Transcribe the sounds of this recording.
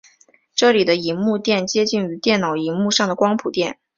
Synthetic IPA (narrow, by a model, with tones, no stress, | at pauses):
ʈ͡ʂɤ˥˩li˨˩d̪ə˦i˧˥nmu˥˧t̪jɛ˥˩nt͡ɕjɛ˥t͡ɕi˥˩ŋy˧˥t̪jɛ˥˩nnɑ˨˩ʊi˧˥nmu˥˧ʂɑ˥˩ŋd̪ə˩kwɑ˥ŋpʰu˨˩t̪jɛ˥˩n